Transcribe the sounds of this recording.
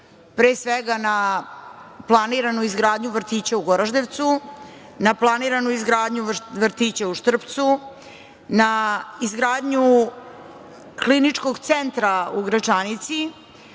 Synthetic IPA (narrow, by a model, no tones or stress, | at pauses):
pɾesʋeɡana | plˠaniɾanuizɡɾaːd̪ɲuʋr̩t̪iːt͡ɕauɡoɾaʒd̪eʋt̪su | naplˠaniɾanuizɡɾaːd̪ɲuʋr̩t̪it͡ɕauʃt̪r̩pt̪su | naizɡɾaːd̪ɲu | klinit͡ʂko̞ɡt̪sent̪ɾauɡɾat͡ʂanit̪si